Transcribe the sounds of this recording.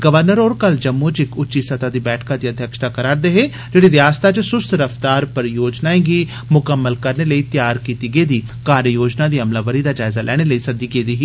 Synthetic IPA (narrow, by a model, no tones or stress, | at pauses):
ɡəʋəɾnəɾoːɾkəld͡ʒəmːut͡ʃɪkʊːt͡ʃiːsət̪aːd̪iːbɛːʈʰkaːd̪iːəd̪ʱjəkʃt̪aːkəɾaːɾd̪eːɦeː | d͡ʒeːɽiːɾjaːst̪aːt͡ʃəsʊst̪ʰɾəft̪aːɾpəɾjoːd͡ʒnaːẽɡiː | mʊkəmːəlkəɾneːləiːt̪jaːɾkiːt̪iːɡeːd̪iː | kaːɾjəjoːd͡ʒnaːd̪iːəmlaːʋəɾiːd̪aːd͡ʒaːɪzaːlʔɛːɽ̃eːləiːsəd̪iːɡeːd̪iːɦiː